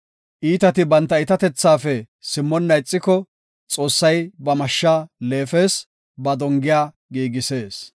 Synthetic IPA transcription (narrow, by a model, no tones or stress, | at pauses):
ʔiːt̪ɐt̪ɪbɐnt̪ːɐɪt̪ɐt̪ɛt͡sːaːfɛ | sɪmːɔnːɐɪt͡sʼːɪkɔ | t͡sʼo̞ːsːɐjbɐmɐʃːaːleːfe̞ːs | bɐd̪ɔŋɡɪjaː | ɡiːɡɪse̞ːs